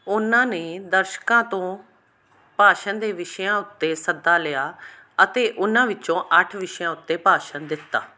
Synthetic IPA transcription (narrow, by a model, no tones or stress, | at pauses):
ʊnãːneːd̪əɾʃkãːt̪õː | paːʃənd̪eːʋɪʃjãːʊt̪ːeːsəd̪ːaːlɪjaː | ət̪eːʔʊnãːʋɪt͡ʃõːʔəʈʰʋɪʃjãːʊt̪ːeːpaːʃənd̪ɪt̪ːa̰ː